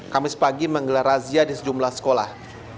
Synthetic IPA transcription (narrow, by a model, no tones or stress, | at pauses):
kamɪspaɡiməŋɡəlaɾaziadisəd͡ʒumlahsə̥kola̰h